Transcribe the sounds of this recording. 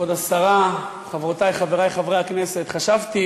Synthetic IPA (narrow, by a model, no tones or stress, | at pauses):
od̪asaʁa | χavʁot̪ajχaveʁajχavʁeaknese̞t̪χaʃavt̪i